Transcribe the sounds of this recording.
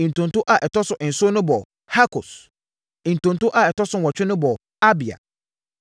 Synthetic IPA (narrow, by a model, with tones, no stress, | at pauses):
ĩ˨n̩˨tʊ̃˨ntʊ˦ʔa˨ʔɛ˨tʰɔ˦sʊ˨ʔɪ˨n̩˨sʊ˦nʊ̃˦bɔ˨ | ha˦kʰʊ˨s̩˨ | n̩˨tʊ̃˨n˨tʊ˦ʔa˨ɛ˨tɔ˦sʊ˦˨ɔ˨t͡ɕᶣɪ˦nʊ̃˦bɔ˨ | a˦bi˨a̰˨